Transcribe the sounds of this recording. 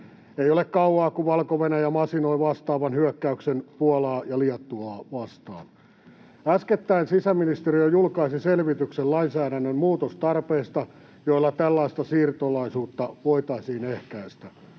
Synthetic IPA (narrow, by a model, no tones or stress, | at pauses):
eijolekkɑuɑːkuʋɑlkoʋenæjæmɑsinoiʋɑst̪ɑːʋɑnhyøkːæyksenpuɑlɑːjɑliɑt̪ːuɑːʋɑst̪ɑ̰ːn | æsket̪ːæinsisæminist̪eriojulkɑisiselʋit̪yksellɑinsæːɾænːømmuːt̪ost̪ɑrpeːst̪ɑ | joilːɑt̪ælːɑist̪ɑsiːrt̪olɑisuːt̪ːɑʋoit̪ɑisiːnehkæist̪æ